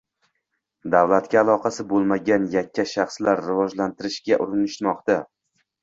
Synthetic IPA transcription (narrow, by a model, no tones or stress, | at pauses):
d̪avlˠat̪ɡʲaːlˠɒqʰɑsɪbolˠmaɡʲanjakʲʰːaʃɑχslaɾːɪvɒd͡ʒlant̪ʰɪɾɪʃɡʲaʔʊɾɪnɪʃmɒqt̪a